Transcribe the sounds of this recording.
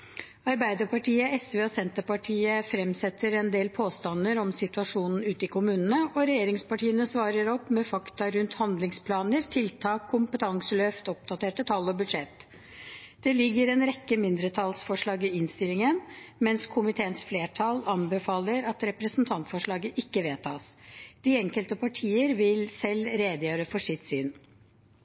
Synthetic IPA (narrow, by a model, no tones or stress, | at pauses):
ɑɾbæɪd̪əpɑʈiːəɛsʋeːɔsɛnt̪əpɑʈʰiːəfɾɛmsɛt̪ʰːəɾɛnd̪eːlpʰoːst̪ɑnːəɾɔmsɪt̪ʉɑʂuːnn̩ʉːt̪əɪkʰʊmʉːnənəʔɔɾɛjeːɾɪŋspɑʈʰiːənəsʋɑːɾəɾɔpːmɛfɑkt̪ɑɾʉnt̪hɑnd̪lɪŋspʰlɑːnəɾt̪ʰɪlt̪ʰɑːkʰːʊmpət̪ʰɑŋsəløːft̪ɔp̚d̪ɑt̪eːʈət̪ʰɑlːɔbʉd̪ʂɛt̪ː | d̪̥ɛlɪɡːəɾɛnɾɛkːəmɪnd̪ɾət̪ʰɑlsfɔʂɭɑːɡɪɪnst̪ɪlɪŋənmɛnskʰʊmɪt̪ʰeːənsfleːʈʰɑlɑnbəfɑːləɾɑt̪ɾɛpɾəsn̩t̪ʰɑnt̪fɔʂɭɑːɡəʔɪkːəʋeːt̪ʰɑ̰ːsd̪̥ɪɛŋkəlt̪əpʰɑʈʰiːəɾʋɪlsɛlɾeːd̪əjøːɾəfɔʂɪt̪syːn